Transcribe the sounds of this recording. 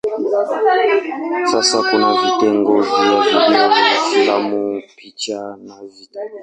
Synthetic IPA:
sasakɔnavitɛŋɡɔvijavideoiafilamupit͡ʃanavita

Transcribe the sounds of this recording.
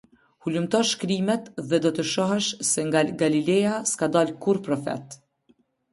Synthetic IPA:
hulumt̪ɔʃkɾimɛt̪ðɛd̪ɔt̪əʃɔɦɛʃsɛŋɡaɡalilɛjaskad̪alkuɾpɾɔfɛ̰t̪

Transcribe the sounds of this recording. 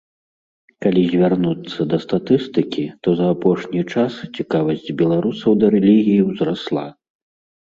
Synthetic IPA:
kalʲizʲvʲarnut̪sːɐd̪ɐst̪at̪ɨst̪ɨkʲit̪ɔzɐːpɔʂnʲit͡ʂast͡sʲikavɐsʲd͡zʲbʲɛlˠaɾusɐwd̪ɐɾɛlʲiɣʲijiwzɾaslˠa̰

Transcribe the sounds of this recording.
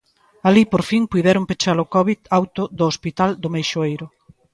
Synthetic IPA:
alipoɾfiŋpujðɛɾʊmpet͡ʃalʊkɔβiðawt̪ʊðʊːspit̪ald̪ʊmejʃoejɾʊ

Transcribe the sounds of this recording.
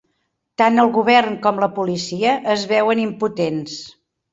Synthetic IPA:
t̪anəlˠɣuβ̞ɛrŋkɔmləpulisiəʔəzβɛwənimput̪ens

